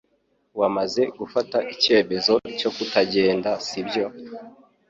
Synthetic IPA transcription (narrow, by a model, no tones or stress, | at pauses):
wamaze̞ɡufataʔicie̞me̞zo̞co̞kutaɟe̞ːndasibjo̞